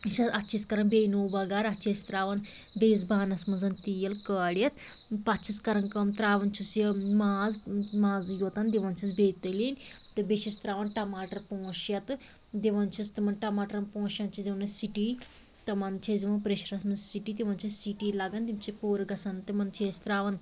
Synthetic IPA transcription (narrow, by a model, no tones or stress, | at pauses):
ʃɐsɐtːt͡ʃʰiskɐɾɐnbeːnoːbɐɡaɾɐt͡ʃʰist̪ɾaːʋɐn | beːzbaːnɐsmɨnzɐnt̪ijɐlkəːɽjɐt̪̚ʰ | pɐtːt͡ʃʰiskɐɾɐnkɐmt̪ɾaːʋɐnt͡ʃʰisimaːzmaːzjoːt̪ɐnd̪iʋɐnt͡ʃʰisbeːt̪ɐliːnʲt̪ɨbet͡ʃʰisʲt̪ɾaːʋɐnʈɐmaːʈɐɾpoːʃjɐt̪ɨ | d̪iʋɐnt͡ʃʰist̪imɐnʈɐmaːʈɐɾɐnpõːʃjɐnt͡ʃʰid̪iʋɐnɐsiʈi | t̪ɐmɐnt͡ʃʰeziʋɐnpɾeʃɐɾɐsmɨnzsiʈiːt̪iʋɐnt͡ʃʰissiʈiːlɐɡɐnd̪imt͡ʃʰipuːɾɡɐsɐnt̪imɐnt͡ʃʰeːst̪ɾaːʋɐn